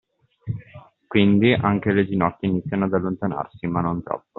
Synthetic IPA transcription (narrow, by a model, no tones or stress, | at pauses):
kwind̪iʔaŋk̟eled̪inɔt̪ːeinit̪sːjanoad̪alːont̪ana̰rsimanːont̪ɾɔ̰pːo